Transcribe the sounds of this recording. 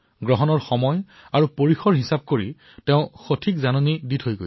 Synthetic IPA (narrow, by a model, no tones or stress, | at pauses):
ɡɹɔɦɔnɔɹxɔmɔj | aɹupoɹixɔɹɦisab̚koɹḭ | teʊ̃xotʰikzanoniditʰojɡo̰j